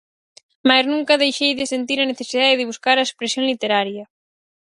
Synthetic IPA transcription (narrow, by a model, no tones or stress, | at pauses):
majznũŋkɐðejʃejðɪsent̪iɾɐneθesiðaðeðɪβuskaɾɐespɾesjoŋlit̪eɾaɾjɐ